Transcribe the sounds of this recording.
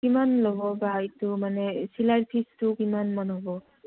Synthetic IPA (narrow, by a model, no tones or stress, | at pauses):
kimanlobɔbaitumanɛsilaɹpʰistʊkimanmanɦobɔ